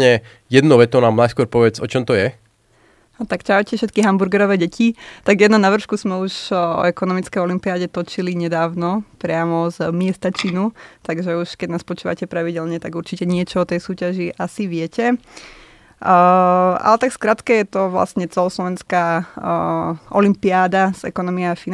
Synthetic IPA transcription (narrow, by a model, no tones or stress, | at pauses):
ɲɛ | jɛd̪nɔʋɛt̪ɔnaːmnajskʊɔɾpɔʋɛd͡zɔt͡ʃɔmt̪ɔjɛ | t̪akt͡ʃaʋcɛfʃɛt̪̚kiɦambuɾɡɛɾɔʋɛːɟɛcʰit̪aɡjɛd̪nɔnaʋr̩ʃkuzmɛuʃɔ̰ɛkɔnɔmit͡skɛjɔlimpiaːɟɛt̪ɔt͡ʃiliɲɛd̪aːʊnɔpɾɪamɔzmɪɛst̪at͡ʃinut̪aɡʒɛuʃkɛɟnaːspɔt͡ʃuːʋa̰cɛpɾaʋiɟɛlɲɛt̪aɡuɾt͡ʃicɛɲɪɛt͡ʃɔɔt̪ɛjsuːcaʒiʔasiʋɪɛcɛ | a̰lɛt̪akskɾat̪kɛjɛt̪ɔʋla̰sɲɛt͡sɛlɔslɔʋɛnskaː | ʔɔlimpiaːd̪az̥ɛ̰kɔnɔmiɛafi